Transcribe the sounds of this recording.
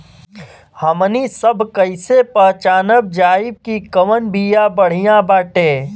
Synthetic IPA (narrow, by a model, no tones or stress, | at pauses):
həmnisəbʱkəɪsepəɦt͡ʃaːnəb̚d͡ʒaːɪb̚kikəʋənbijabəɽ̤ijãbaːʈẽː